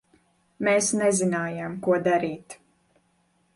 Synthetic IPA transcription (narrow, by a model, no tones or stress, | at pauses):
meːsnɛzinaːjamkuɔd̪aɾiːt̪